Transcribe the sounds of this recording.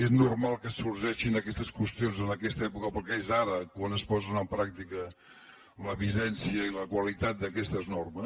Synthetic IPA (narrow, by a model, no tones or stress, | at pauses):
eznurmalˠkəsurʒɛʃinəkɛst̪əskwəst̪ionzənəkɛst̪əɛpukəpɾɔkɛezaɾəkwanəspɔzənəmpɾak̚t̪ikə | ləβizɛnsiəiləkwəlit̪at̪̚d̪əkɛst̪əznɔrməs